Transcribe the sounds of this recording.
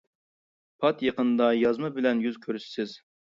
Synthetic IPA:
pʰɑt̪jeqənd̪ɑjɑzmɨbɪlɛnjyzkʲʰøɾssɪz̥

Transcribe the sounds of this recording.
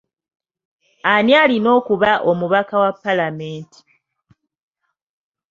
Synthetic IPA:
aniaːlino̞ːkuβaʔo̞muβakawapːalame̞ːnti̥

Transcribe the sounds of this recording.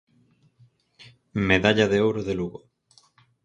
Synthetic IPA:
meðaʎaðeowɾʊðeluɣo

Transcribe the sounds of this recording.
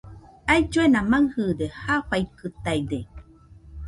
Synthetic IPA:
ajd͡ʒuenamaŋhɯd̪ehaɸajkɯt̪ajd̪e

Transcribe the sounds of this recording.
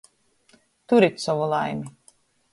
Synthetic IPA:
t̪uɾit̪ʲsɔvulˠajmi

